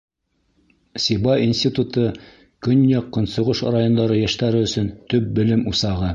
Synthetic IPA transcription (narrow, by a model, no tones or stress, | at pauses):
sibɑinsʲt̪ʲit̪ut̪ɤ | kɵnjɑqːɤ̆nsŏʁɤʃrajo̞nd̪ɑɾɤjæʃt̪æɾɘɵ̆sɵnt̪ɵp̚bɘ̆lɘmusɑʁɤ